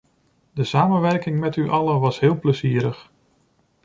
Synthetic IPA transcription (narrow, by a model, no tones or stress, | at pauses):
dəsaːmənʋɛɹkɪŋmɛtyʔɑlənʋɑsɦɪːlˠpləziːɾəχ